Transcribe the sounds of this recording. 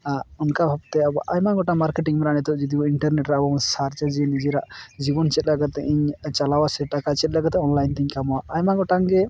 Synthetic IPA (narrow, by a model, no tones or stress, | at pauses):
aɾunkabʱab̚t̪ɛabɔʔajmaɡɔʈaŋmaɾkeʈiŋmɛɾanit̪ɔʔd͡ʒid̪iɔiɳʈɐɾneʈɾɛabɔɔnsaɾt͡ʃad͡ʒinid͡ʒiɾaʔd͡ʒibɔnt͡ʃɛt̪̚ləɡat̪ːɛʔiɲt͡ʃalawasɛʈakat͡ʃɛt̪̚ˀləɡat̪ɛɔnlajnt̪iɲkamwaʔajmaɡɔʈaŋɡɛ